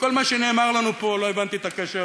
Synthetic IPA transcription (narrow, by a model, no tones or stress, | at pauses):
ko̞lmaʃene̞ːmaʁlanupo̞lo̞evant̪iet̪akeʃe